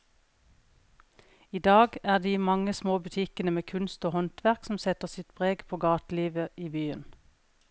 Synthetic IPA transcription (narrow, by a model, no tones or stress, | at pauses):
iːd̪ɑːɡæːʁd̪iːmɑŋəsmoːbʉt̪ʰɪkənəmeːkʰʉnst̪oːhɔnt̪ʋæʁksm̩sɛt̪əʁsɪt̪bʁeːɡpʰoːɡɑːt̪liːʋəʔiːbyːən